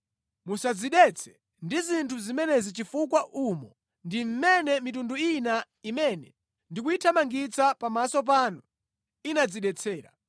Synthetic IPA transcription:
musad͡ziɗɛt͡sʰɛ̥ | ndizintʰuzimɛnɛzit͡ʃifukwaʔumɔ | ndim̩mɛnɛmit̬unduina | imɛnɛ | ndik̬uitʰamaŋɡit͡sʰapamasɔp̬aːnɔ | inad͡ziɗɛt͡sʰɛːɾa̰

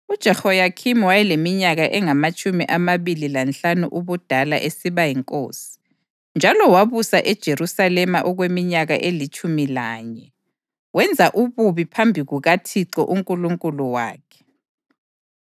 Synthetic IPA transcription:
ud̥ʒ̥ʱɛhɔjakʰimwajɛlemiɲaɣaʔɛŋamat͡ʃʼumiʔamaβililant͡ɬanṵʔuβud̥ʱala̰ʔesiβajiŋkʼo̰ːsi̥ | nd͡ʒʱalɔwaβusaʔɛd̥ʒ̥ʱeɾusalɛmaʔɔɣwemiɲaɣaʔelit͡ʃʼumilaːɲɛ | wɛnd͡zʱaʔuβuβipʰambʱiɣuɣatʰiǁɔ̰ʔuŋkʼuluŋkʼuluwa̰ːkʰɛ̥

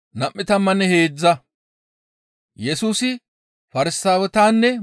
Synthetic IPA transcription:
nɐmʔːɪt̪ɐmːɐnːɛhe̞ːd͡zːɐ | jɛsuːsɪ | fɐɾɪsaːwɛt̪aːnːɛ

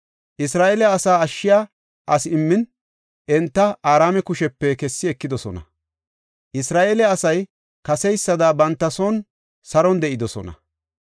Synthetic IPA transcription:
ʔɪsɾaːʔelɛɐsaːɐʃːɪjaː | ʔɐsɪmːɪn | ʔɛnt̪ːɐaːɾaːmɛkʊʃɛpːɛkɛsːɪɛkːɪd̪ɔsɔnɐ̰ | ʔɪsɾaːʔeːlɛɐsɐj | kɐsɛjsːɐd̪aːbɐnt̪ːɐsoːn | sɐɾɔnd̪ɛʔɪd̪ɔsɔ̰nɐ̰

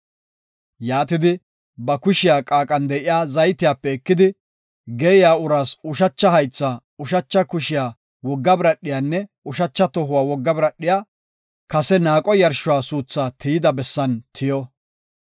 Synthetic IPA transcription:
jaːt̪ɪd̪ɪ | bɐkʊʃɪjaːkʼaːkʼɐnd̪ɛʔɪjaːzɐjt̪ɪjaːpːɛɛkːɪd̪ɪ | ɡɛɪjaːʊɾaːsʊʃɐt͡ʃːɐhɐjt͡sːaː | ʊʃɐt͡ʃːɐkʊʃɪjaː | wɔɡːɐbɪɾɐɗːɪjaːnːɛ | ʊʃɐt͡ʃːɐt̪ɔɦʊwaːwɔɡːɐbɪɾɐɗːɪjaː | kɐsɛnaːkʼɔjɐɾʃʊwaːsuːt͡sːaːt̪ʰɪjɪd̪ɐbɛsːɐnt̪ʰɪjɔ

